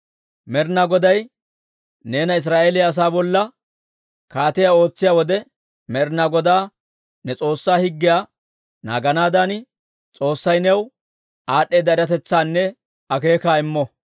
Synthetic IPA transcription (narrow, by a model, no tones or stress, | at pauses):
mɛɾnaɡɔd̪ɐj | ne̞ːnɐɪs̬ɾaːʔeːlɪjaːs̬aːbɔlːɐ | kaːt̪ɪjao̞ːt͡sːɪjaːwɔd̪ɛ | mɛɾnaɡɔd̪aː | nɛt͡sʼo̞ːsːaːhɪɡːɪjaː | na̰ːɡɐnaːd̪an | t͡sʼo̞ːsːɐjnɛw | aːɗːeːd̪ɐɪɾɐt̪ɛt͡sːaːnːɛ | ɐke̞ːkaːɪmːɔ